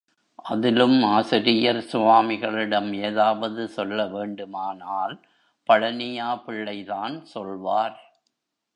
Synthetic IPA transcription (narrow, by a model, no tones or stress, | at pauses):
ʔɐðɪlɯmaːsɪɾɪjɐɾsʊʋaːmɪɣɐɭɪɽɐmeːðaːʋɐðɯsɔlːɐʋeːɳɖɯmaːnaːl | pɐɻɐnɪjaːpɪɭːɐɪðaːnsɔlʋaːɾ